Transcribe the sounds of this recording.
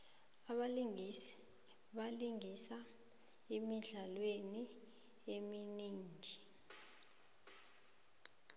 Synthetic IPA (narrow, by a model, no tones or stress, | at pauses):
aɓali | ɓaliŋisa | emiɮalweni | eminiːŋi